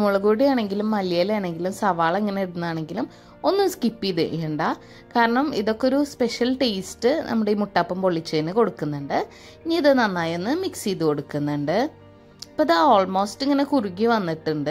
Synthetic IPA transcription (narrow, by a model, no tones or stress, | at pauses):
muɭuɣuːɽijaːɳe̞ŋɡilumːɐlijaːlaːɳe̞ŋɡilumsɐʋaːɭeŋːɐne̞iɽunːɐaːɳe̞ŋɡilum | o̞nːɨskipːiðɨ̰ʔeuɳɖaː | kaːɾɐɳɐmḭðo̞kːeo̞ɾuspe̞ʂɐlʈeːstɨnʔɐ̰mːuɽe̞iːmuʈːaːpːɐmpo̞ɭːit͡ɕːɐinːɨko̞ɽukːunːuɳɖɨ | iɲiiðɨnɐnːaːjenːɨmiksiðɨko̞ɽukːunːuɳɖɨ | pːoɐðaoːɭmo̞ːstiŋːɐne̞kuruɣːiʋɐnːiʈːuɳɖɨ